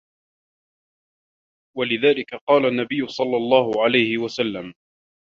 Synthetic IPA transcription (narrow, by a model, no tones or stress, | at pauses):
walɪðaːlɪkaqɑːlanːabɪjːʊsˤɑlːɑlˤːɑːhʊʕalajhɪwasalːam